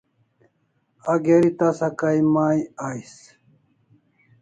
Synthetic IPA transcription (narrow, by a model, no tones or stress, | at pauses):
aɡeɾit̪asakaimaːjais